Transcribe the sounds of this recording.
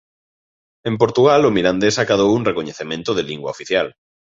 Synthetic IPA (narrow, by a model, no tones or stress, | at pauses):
ẽmpoɾt̪uɣalomiland̪esakað̞owunrekoɲeθemẽnt̪oð̞eliŋɡwaofiθjal